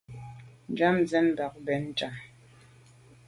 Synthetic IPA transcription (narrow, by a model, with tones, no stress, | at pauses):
n̩˨d͡ʒa˦mzɛ˦n˦˨ba˨k̚bɛ˨n̩˦˨t͡ʃa˨